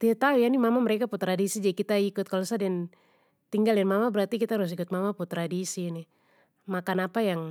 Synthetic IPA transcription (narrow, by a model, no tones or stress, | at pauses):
t̪iat̪aujanimamaməɾekaput̪ɾadisid͡ʒadikit̪aikʊt̪̚kalosadɛɛn | t̪iŋɡaljanmamabəɾart̪ikit̪aɾʊs̬ikʊt̪̚mamaput̪ɾadisini | makanapajaŋ